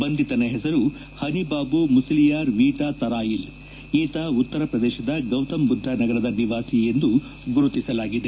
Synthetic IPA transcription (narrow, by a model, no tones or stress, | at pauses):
bɐnd̪ʱit̪ɐnɐɦɛsɐɾu | hɐnibaːbumusɐlijaːɾʋiːʈaːt̪ɐɾaːjil | iːt̪aut̪ːɐɾɐpɾɐd̪ɛːʃɐd̪ɐɡɐwt̪ɐmbud̪ʱːɐnɐɡɐɾɐd̪ɐniʋaːsijend̪u | ɡuɾut̪isɐlaːɡid̪e